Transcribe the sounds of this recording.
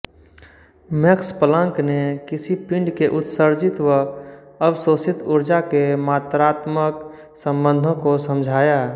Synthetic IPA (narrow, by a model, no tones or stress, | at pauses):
mekspələ̃ŋknekɪsipĩɳɖkeʔʊt̪səɾd͡ʒɪt̪ʋəəbsosɪt̪ʊɾd͡ʒakemaːt̪ɾaːt̪mək | sə̃mbə̃nd̪ʱõkosəmd͡ʒʱaːja